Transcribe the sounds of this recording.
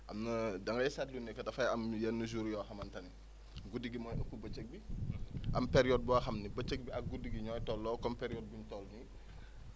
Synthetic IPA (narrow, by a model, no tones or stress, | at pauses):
ʔɐmnɐdɐŋɡɐjsatlunːɛkːɐtɐfɐjɐmjɐnːuzuɾjɔxɐmɐntɐni | ɡudiɡimɔːjʔɐkːubɐt͡ʃːək̚biʔɐmpɛɾjɔd̚bɔaxɐmnibɐt͡ʃːək̚biɐk̚ɡudiɡiɲɔːjtɔlːɔːkɔmpɛɾijɔːd̚buɲtɔlni